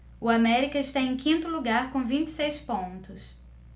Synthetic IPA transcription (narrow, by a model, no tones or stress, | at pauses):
ʊamɛɾikɐɪʃt̪aẽj̃kʰĩnt̪ʊluɡaɾkõw̃vĩnt͡ʃɪ̥sejspõnt̪ʊs